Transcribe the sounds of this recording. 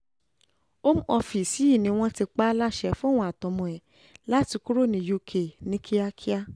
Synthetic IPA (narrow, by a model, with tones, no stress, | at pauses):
o˦m˦ɔ˧fi˨si˨˦i˦˨nĩ˧˦˧w̃ɔ̃˧ti˧k͡pa˦la˦ʃɛ˨fũ˦˨w̃ɔ̃˧˦a˨tɔ̃˨mɔ̃˧ɛ˨ | la˨˦ti˧ku˦ɾo˦˨nĩ˧jo˧kʰe˨nĩ˦kʰi˦a˦kʰi˦a˦